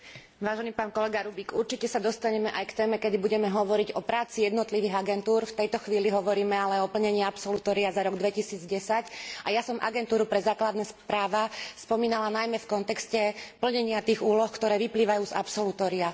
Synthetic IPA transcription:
ʋaːʒɛniːpaːnkɔlɛɡaɾubiɡuɾt͡ʃicɛsad̪ɔst̪aɲɛmɛʔajkt̪ɛːmɛkɛd̪ibuɟɛmɛɦɔʋɔɾiɟɔpɾaːt͡sijɛd̪nɔt̪liʋiɣaɡɛnt̪uːɾft̪ɛjt̪ɔxʋiːliɦɔʋɔɾiːmɛalɛɔpl̩ɲɛɲɪapsɔlut̪ɔːɾiazaɾɔɡd̪ʋɛcisiːd͡zɟɛsacʔajasɔmʔa̰ɡɛnt̪uːɾupɾɛzaːklad̪nɛːspɾaːʋaspɔmiːnalanajmɛfkɔnt̪ɛkscɛpl̩ɲɛɲɪat̪iːɣuːlɔxkt̪ɔɾɛːʋipliːʋajuːza̰psɔlut̪ɔːɾia

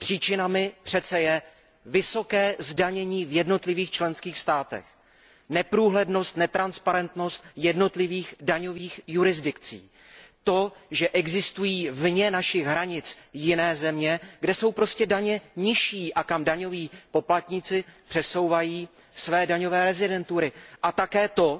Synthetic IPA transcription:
pr̝̥iːt͡ʃɪnamɪpr̥ɛt̪t͡sɛjɛ | vɪso̞kɛːzdaɲɛɲiːvjɛdno̞t̪lɪviːxt͡ʃlɛnskiːxst̪aːt̪ɛ̰x | nɛpɾuːɦlɛdno̞st̪nɛt̪ɾanspaɾɛnt̪no̞st̪̚jɛdno̞t̪lɪviːxdaɲo̞viːxjuɾɪzdɪkt͡sḭː | t̪o̞ʒɛʔɛɡzɪst̪ujiːvɲɛnaʃɪɣɦɾaɲɪt͡sjɪnɛːzɛmɲɛɡdɛso̞wpɾo̞scɛdaɲɛɲɪʃiːʔakamdaɲo̞viːpo̞plat̪ɲɪt͡sɪpr̥ɛso̞wvajiː | svɛːdaɲo̞vɛːɾɛzɪdɛnt̪uɾɪʔat̪akɛːt̪o̞

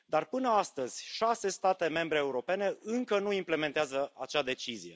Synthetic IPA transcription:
d̪arpɨnəast̪əz̥ʲʃase̞st̪at̪e̞me̞mbɾe̞ːuɾo̞pe̞ne̞ɨŋkənuimple̞me̞nt̪eazəʔat͡ʃad̪e̞t͡ʃizije̞̰

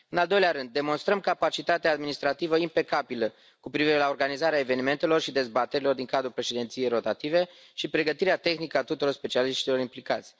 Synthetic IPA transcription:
ɨnald̪o̞jleaɾɨnd̪ːe̞mo̞nst̪ɾəmkapat͡ʃit̪at̪ead̪minist̪ɾat̪ivəimpe̞kabilə | kupɾiviɾe̞laorɡanizaɾeae̞ve̞nime̞nt̪e̞lo̞rʃid̪e̞zbat̪eɾilo̞rd̪iŋkad̪ɾupɾe̞ʃed̪e̞nt̪sijejɾo̞t̪at̪ive̞ | ʃipɾe̞ɡət̪iɾeat̪e̞xnikəat̪ut̪uɾo̞rspe̞t͡ʃialiʃt̪ilo̞ɾimplikat̪sʲ

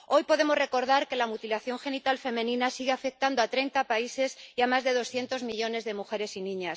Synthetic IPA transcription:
o̞jpo̞ðe̞mo̞zre̞ko̞ɾðaɾke̞lamut̪ilaθjo̞ŋxe̞nit̪alfe̞mẽ̞nĩnasiɣ̞eafe̞k̚t̪and̪oat̪ɾe̞jnt̪apaise̞siamazðe̞ð̞o̞sθje̞nt̪o̞zmiʎo̞ne̞zðe̞muxe̞ɾe̞sinĩɲas

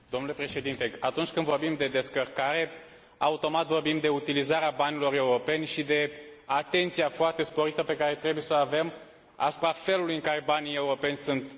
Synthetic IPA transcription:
d̪o̞mnule̞pɾe̞ʃe̞d̪int̪eat̪unt͡ʃʲkɨnd̪vo̞rbimd̪e̞d̪e̞skərkaɾe̞ | aut̪o̞mat̪vo̞rbimd̪e̞ut̪ilizaɾeabanʲilo̞ɾe̞uɾo̞pe̞nʲʃid̪e̞at̪e̞nt̪sijafoart̪e̞spo̞ɾit̪əpe̞kaɾe̞t̪ɾe̞buje̞səave̞m | a̰su̥pɾafe̞lulujɨŋkaɾe̞banije̞uɾo̞pe̞nʲsunt̪

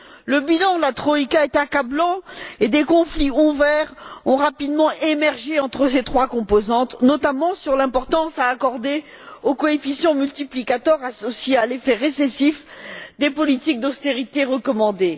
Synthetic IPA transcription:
ləbilɑ̃d̪əlat̪χɔikaɛt̪akablɑ̃ed̪ekɔ̃fliuvɛʁɔ̃ʁapid̪mɑ̃ʔemɛʁʒeɑ̃t̪χəs̬et̪χwakɔ̃pozɑ̃t̪nɔt̪amɑ̃syʁlɛ̃pɔʁt̪ɑ̃saːkɔʁd̪e | okɔefisjɔ̃mylt̪iplikat̪ɔʁasɔsjealefɛʁesesifd̪epɔlit̪ik̚d̪ɔst̪eʁit̪eʁəkɔmɑ̃d̪e

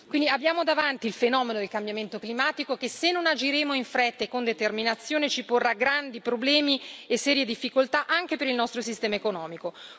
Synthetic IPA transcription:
kwind̪iabjaːmod̪avant̪iːlfenɔːmenod̪elkambjament̪oklimaːt̪ikok̟esenːonad͡ʒiɾeːmoiɱfɾɛt̪ːekond̪et̪erminat̪sːjoːnet͡ʃiporːaɡɾand̪ipɾoblɛːmiesːɛːɾjed̪ifːikolt̪aʔaŋk̟epeɾilnɔst̪ɾosist̪ɛːmaekonɔːmiko

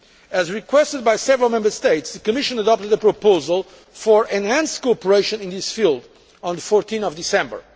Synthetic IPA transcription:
ɨzɹikwɛstɨd̪̚bajsɛvəɹəlˠmɛ̃mbə˞st̪eɪtsðɨkɨmɪʃə̃nədɔp̚t̪ɨd̪əpɹɔpoʊzəlˠ | fəɹʔɛ̃nhæ̃nskopəɹeɪʃɨ̃nĩnðisfilˠd̪ | ɔ̃nðəfɔɹt̪ʰĩnɔvd̪isɛ̃mbə̰˞

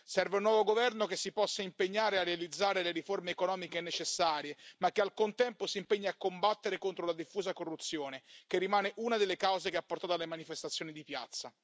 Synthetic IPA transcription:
sɛrveunːwɔːvoɡovɛrnokesːipɔsːaimpeɲːaːɾearːealid̪zːaːɾeleɾiformeːkonɔːmikenet͡ʃesːaːɾjemakːealkont̪ɛmposiːmpeɲːaakːombat̪ːeɾekont̪ɾolad̪ifːuːzakorːut̪sːjoːnek̟erːimaːneʔunad̪elːekawzekeapːort̪aːt̪alːemanifest̪at̪sːjoːnid̪ipja̰t̪sːa

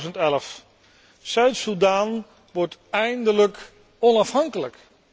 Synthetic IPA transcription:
zəntɛləf | sœɥtsudaːn | ʋɔɹtɛjndələk | ɔnɑfhɑŋkələk

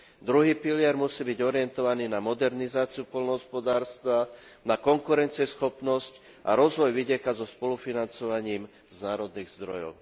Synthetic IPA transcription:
d̪ɾuɦiːpilɪɛɾmusiːbiɟɔɾɪɛnt̪ɔʋaniːnamɔd̪ɛɾnizaːt͡siupɔlnɔɦɔspɔd̪aːɾst̪ʋa | nakɔŋkuɾɛnt͡sɪɛsxɔpnɔsc | ʔaɾɔzʋɔjʋiɟɪɛkazɔspɔlufinant͡sɔʋaɲiːm | znaːɾɔd̪niːɣzd̪ɾɔ̰jɔ̰ʊ

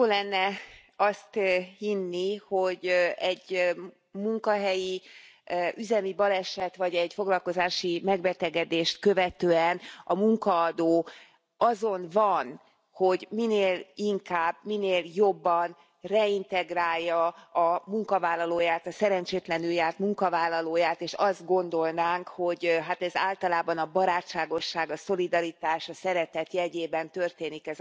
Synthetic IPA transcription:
joːlɛnːɛɒst̪hinːiho̞ɟɛɟ | muŋkɒɦɛji | ʔyzɛmibɒlɛʃɛt̪ʋɒɟɛɟfo̞ɡlɒlko̞zaːʃimɛɡbɛt̪ɛɡɛd̪eːʃt̪kø̞vɛt̪øːɛnɒmuŋkɒːd̪oː | ɒzo̞nvɒn | ho̞ɟmineːliŋkaːbmineːljo̞bːɒn | rɛint̪ɛɡraːjːɒɒmuŋkɒvaːlːɒloːjaːt̪ɒsɛɾɛnt͡ʃeːt̪lɛnyjːaːt̪muŋkɒvaːlːɒloːjaːt̪eːʃɒzd̪ɡo̞nd̪o̞lnaːŋkho̞ɟɦat̪ɛzaːlt̪ɒlaːbɒnɒbɒɾaːt͡ʃːaːɡo̞ʃːaːɡɒso̞lid̪ɒɾit̪aːʃɒsɛɾɛt̪ɛt̪jɛɟeːbɛnt̪ø̞rt̪eːnikɛz

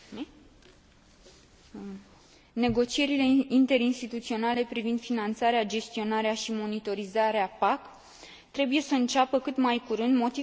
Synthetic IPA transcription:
ne̞ɡo̞t͡ʃie̞ɾile̞int̪e̞ɾinst̪it̪ut̪sio̞nale̞pɾivind̪finant̪saɾead͡ʒe̞st̪io̞naɾeaʃimo̞nit̪o̞ɾizaɾeapak | t̪ɾe̞buje̞səɨnt͡ʃapəkɨt̪majkuɾɨnd̪mo̞t̪i

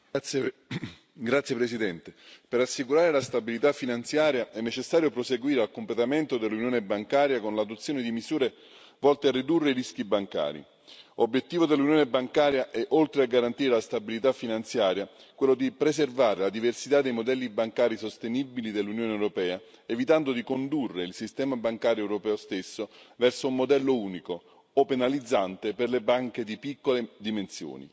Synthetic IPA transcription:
ɡɾat̪sːjepɾesid̪ɛnt̪epeɾasːikuɾaːɾelast̪abilit̪afːinant̪sjaːɾjaɛnːet͡ʃesːaːɾjopɾoseɡwiːɾealkomplet̪ament̪od̪elːunjoːnebaŋkaːɾjakonlad̪ot̪sːjoːned̪imizuːɾe | vɔlt̪earːid̪urːeɾisk̟ibaŋka̰ːɾḭ | obːjet̪ːiːvod̪elːunjoːnebaŋkaːɾjaʔɛʔolt̪ɾeaɡːaɾant̪iːɾelast̪abilit̪afːinant̪sjaːɾja | kwelːod̪ipɾeservaːɾelad̪iversit̪ad̪ːejmod̪ɛlːibaŋkaːɾisost̪enibilid̪elːunjoːneɛwɾopɛːa | evit̪and̪od̪ikond̪urːeilsist̪ɛːmabaŋkaːɾjoɛwɾopɛːost̪esːovɛrsoumːod̪ɛlːouːniko | openalid̪zːant̪eperlebaŋked̪ipikːoled̪imensjo̰ːnḭ

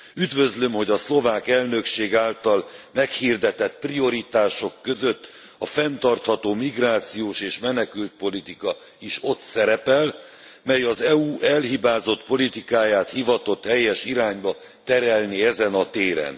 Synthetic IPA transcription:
yd̪vø̞zlø̞mho̞ɟɒslo̞vaːkɛlnø̞kʃeːɡaːlt̪ɒlmɛkhird̪ɛt̪ɛt̪prio̞ɾit̪aːʃo̞kːø̞zøt̪ː | ɒfɛnt̪ɒrt̪hɒt̪oːmiɡraːt̪sijoːʃeːʃmɛnɛkylt̪̚po̞lit̪ikɒ | iʃo̞t̪sɛɾɛpɛl | mɛjɒzɛuːʔɛlɦibaːzo̞t̪po̞lit̪ikaːjaːt̪hivɒt̪o̞t̪ːɛjːɛʃiɾaːɲbɒ | t̪ɛɾɛlniɛzɛnɒt̪eːɾɛ̰n

